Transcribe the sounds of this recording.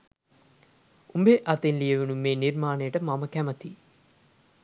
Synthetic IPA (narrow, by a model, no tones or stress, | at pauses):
umbeʔɐt̪enlijəʋenumeːniɾmaːnejəʈəmaməkæmət̪i